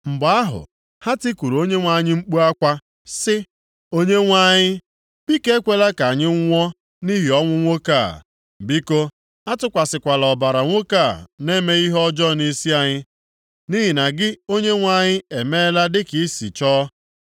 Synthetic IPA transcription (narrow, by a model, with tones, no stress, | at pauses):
ŋ͡m̩˨ba˦ɦʊ̰˨ | ha˦ti˦kʷu˨ɾo˦ɲe˦ŋʷa˦ɲɪ˦ŋ͡m̩˦k͡pu˦a˦kʷa˦ | sɪ˦ | o˦ɲe˦ŋʷa˦ɲɪ˦ | b̥i˦ke˦kʷe˦la˦ka˨ɲɪ˦ŋ̩˦ŋʷɔ˦ | ni˦ɦi˨ɔ˦ŋʷʊ˦ŋʷo˦ka˦˨ | m̩˨bi˦ko˦ | a˦tʊ˦kʷa˨sɪ˨kʷa˨lɔ˨ba˨ɾa˨ŋʷo˦ka˦˨ne˦me˦i˦ɦɔ˦d͡ʒɔ˦ni˦si˦a˨ɲɪ˦ | ni˦ɦi˨na˨ɡɪ˦o˦ɲe˦ŋʷa˦ɲɪ˦e˨me˦la˦dɪ˦ki˦sḭ˨t͡ʃɔː˦